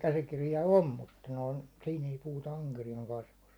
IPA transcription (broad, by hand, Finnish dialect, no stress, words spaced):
kæsikirjɑ om mutːɑ noin̞ sin ei puhutɑ ɑŋkerijɑˑŋ kɑsʋust